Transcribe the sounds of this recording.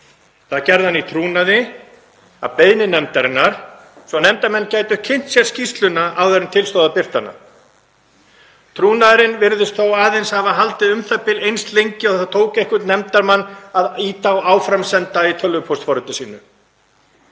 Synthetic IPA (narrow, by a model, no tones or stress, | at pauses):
θaðcɛɾðhanːit̪ʰɾuːnaðɪ | a̰peːjnɪnɛmt̪aɾɪnːaɾ̥ | svɔnɛmt̪aɾmɛnːcaːjt̪ʏhcʰɪn̥t̪sjɛɾscist̪lʏnaʔawðɛɾʏmt̪ʰɪlst̪oːðapɪr̥t̪ana̰ | t̪ʰɾuːnaðɾɪnvɪɾðʏst̪θowaːðejnshavaɦalt̪ɪʏmθapːɪlejnst̪lejɲcɪɔθθat̪ʰoːwkehkʏt̪nɛmt̪aɾmanːaðiːt̪awaːwfɾamsɛnt̪ait̪ʰœlvʏpʰɔst̪fɔɾʏt̪asiːnʏ